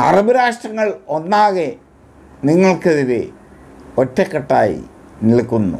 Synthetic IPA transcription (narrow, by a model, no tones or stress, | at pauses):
ɐ̰rɐbuɾaːʂʈrɐŋːɐɭo̞nːaːɣe | niŋːɐɭkeðiʋe | o̞tːekːɐʈːaːjḭ | nilkːunːṵ